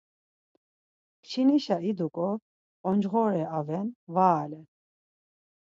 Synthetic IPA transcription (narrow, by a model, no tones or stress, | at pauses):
pt͡ʃʰiniʃaid̪ukʼɔ | ɔnd͡ʒʁɔɾɛavɛnvaːlɛ